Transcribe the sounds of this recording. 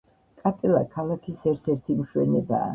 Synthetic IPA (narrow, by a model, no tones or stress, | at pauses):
kʼat̪ʼɛla̰kʰalakʰisɛɾt̪ʰɛɾt̪ʰimʃwɛ̰nɛba̰ː